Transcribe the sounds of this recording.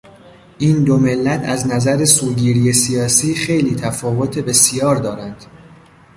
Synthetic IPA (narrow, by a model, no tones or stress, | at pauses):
ʔiːnd̪ome̞lːæt̪ʰæznæzæɾesuːɡiːɾiːjesijɒːsiːxe̞jliːt̪ʰæfɒːvo̞t̪ʰe̞be̞sijɒːɾd̪ɒːɾænd̪̥